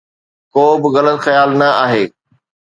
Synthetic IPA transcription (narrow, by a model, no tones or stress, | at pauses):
koːbɪɣɐlət̪xɐjaːlnɐaːɦeː